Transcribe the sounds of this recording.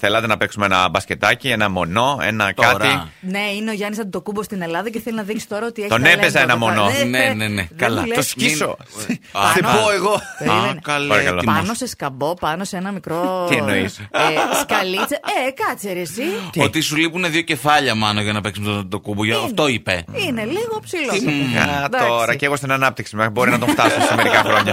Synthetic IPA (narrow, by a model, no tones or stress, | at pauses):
θelɐt̪enɐpeksumeenɐbɐsce̞t̪ɐcienɐmo̞no̞ḛnɐkɐt̪ineineoʝɐnisɐt̪t̪o̞kubost̪ine̞lɐðɐceθeliznɐðiksi̥st̪o̞ɾɐot̪ieçt̪onnepezɐenɐmononenenekɐlɐlosiso̰ | eoeɣokɐlpɐɾɐkɐloipmɐnoseskɐbo̞pɐnosenɐmikɾot̪ienoiseskɐlit͡seekɐt͡seɾesiot̪isulipuneðʝo̞ce̞fɐʎɐmɐnoʝɐnɐpeksmet̪ot̪okuboʝɐft̪oipeineliɣopsiloat̪ɐoɾɐceɣost̪inɐnɐp̚t̪iksimebo̞ɾinɐt̪oft̪ɐsosɐmeɾikɐxɾoɲɐ